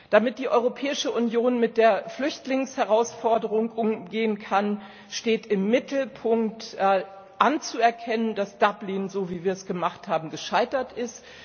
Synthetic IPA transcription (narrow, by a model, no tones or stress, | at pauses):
d̥amɪt̚d̥iːʔɔʏʁopʰɛːɪʃəʔʊnjoːnmɪt̚d̥eːɐflʏçtlɪŋshɛʁ̞aʊsfɔɐdəʁʊŋʔʊŋɡeːənkʰan | ʃteːtɪmːɪtl̩pʰʊŋk̚tː | ʔant͡suɛɐkʰɛnəndasd̥ablɪnzoːviːviːɐɛsɡ̥əmaχthaːbm̩ɡəʃaɪtɐtʔɪst